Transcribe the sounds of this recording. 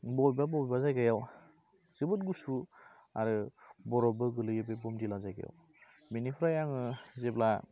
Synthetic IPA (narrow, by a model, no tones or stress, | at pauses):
bɔjbabɔbibazajɡajaw | z̥ɯbɯtɡusu | aɾɯbɔɾɔbɯɡɯlɯjɯbebɔmdilazajɡa̰ja̰w | minipʰɾajaŋɯzebla